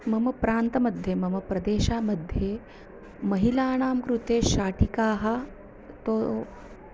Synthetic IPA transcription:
mɐmɐpɾaːnt̪ɐmɐd̪ʱjemɐməpɾɐd̪eːɕaməd̪ʱːje | mɐɦilaːɽ̃aːmkɾut̪eːɕaːʈikaːɦɐ | t̪o

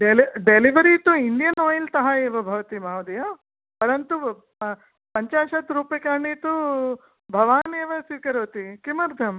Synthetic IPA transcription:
ɖeliɖeliʋɐɾit̪uind̪ijɐnoːjilt̪ɐɦɐeːʋɐbʱɐʋɐt̪imaːʋɐd̪ɐja | pɐɾɐnt̪u | pɐɲt͡ʃaːʃɐt̪ɾuːpɐkaːɳit̪u | bʱɐʋaːneːʋɐsʋiːkɐɾɐʋɐt̪ikimɐɾd̪ʱɐm

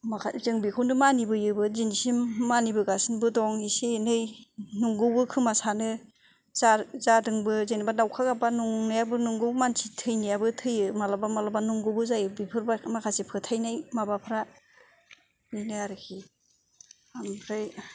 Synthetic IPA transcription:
makʰazɯŋbikʰɯwnɯmanibɯjɯbɯzinisimːanibɯɡasɯnbɯdɔŋisenɯjnuŋɡɯwbɯkʰɯmasanɯ | zazadɯŋbɯzɯnabadawkʰaɡabanuŋnɯjabɯnuŋɡɯwmansʰitʰɯjnijabɯtʰɯjɯmalabamalabanuŋɡɯwbɯzajɯbipʰɯɾbamakʰasipʰɯtʰajnajmabapʰɯɾa | bɯjnɯaɾɯkʰi | ampʰɾaj

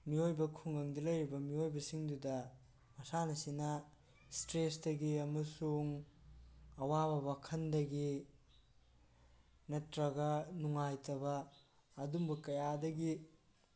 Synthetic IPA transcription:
miojbɐkʰuŋɐŋdɐlɐjɾibɐmiojbɐsiŋdudɐ | mɐsanɐsinɐ | stɾesdɐɡiɐmɐsuŋ | ɐwabɐbɐkʰɐndɐɡi | nɐtɾɐɡɐnuŋajtɐbɐː | dumbɐkɐjadɐɡi

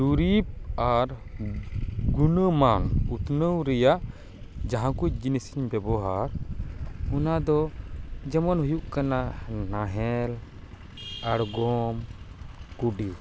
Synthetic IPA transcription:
d͡ʒuɾip̚aɾ | ɡunəmanut̪nəwɾɛjaʔ | d͡ʒaɦãkud͡ʒinisiɲbɛbɔɦaɾ | unad̪ɔd͡ʒɛmɔnɦujuʔkananaɦɛl | aɽɡɔm | kuɖi

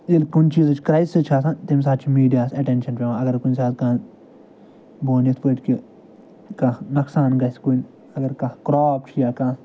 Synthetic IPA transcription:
ilkunt͡ʃiːzt͡ʃʰkɾɐjsit͡ʃʰaːsãt̪ims̬aːt̪t͡ʃʰimiːɖijaːsɐʈenʃɐnpʲeʋãɐɡɐɾkunʲsaːt̪̚kã | boːnit̪ʰpəʈki | kanɐksaːnɡɐskun | ɐɡɐɾkɐkɾɔːp̚t͡ʃʰijaːkã

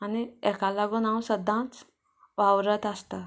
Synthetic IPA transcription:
aniɛkalaɡunãwsəd̪ʱãt͡s | ʋawɾət̪ast̪a

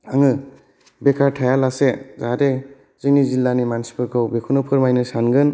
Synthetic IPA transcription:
aŋɯ | bekʰaɾtʰajalasezade | z̥ɯŋnizilːanimansi̥pʰɯɾkʰɯwbekʰunupʰɯɾmajnɯsanɡɯn

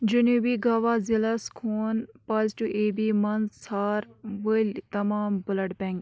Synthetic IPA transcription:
d͡ʒuneːʋiːɡaːʋaːzilaskʰoːnpɐzʈuʔeːbiːmɐnsaːɾʋəlʲt̪ɐmaːmbʊləʈbɛ̃ŋɡ

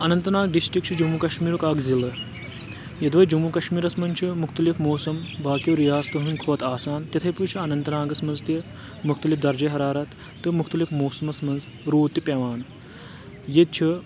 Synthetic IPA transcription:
ɐnɐnt̪ɐnaːɡɖisʈɾik̚t͡ʃʰud͡ʒumukɐʃmiːɾukaːkzilɐ | jɐd̪ʋɐjd͡ʒumukɐʃmiːɾɐsmɐnʲt͡ʃʰimukʰt̪ɐlifmoːsɐmbaːkjiwɾijaːst̪ɐɦunkʰoːt̪aːsaːnt̪it̪ʰɐjpujt͡ʃʰiɐnɐnt̪ɐnaːɡɐsmɐnzt̪i | mukʰt̪ɐlifd̪ɐɾd͡ʒɐɦɐɾaːɾɐt̪ː | ɨmukʰt̪ɐlifmoːsɐmɐsmɐnz | ɾuːt̪ːipɐʋaːn | jed̪̚t͡ʃʰi

